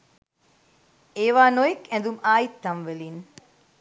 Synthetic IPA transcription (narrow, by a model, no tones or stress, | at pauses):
eːʋaːnoikɛ̃nd̪umaːjit̪ːɐmʋeliːn